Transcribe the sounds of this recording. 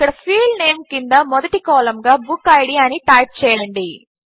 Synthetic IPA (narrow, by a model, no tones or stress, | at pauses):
kɐɽɐpʰiːlneːmkind̪ɐmɔd̪ɐʈikɔːlɐmɡaːbukːɐjɽijaːnit̪aːʈ̚t͡ʃɛːjɐɳɖi